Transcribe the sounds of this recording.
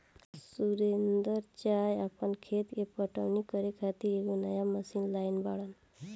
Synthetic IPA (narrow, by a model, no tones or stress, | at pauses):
suɾend̪əɾt͡ʃajapɔnkʰet̪kepɔʈa̰wnikɔɾekʰat̪iɾekonəjaməsinlajnbaɽan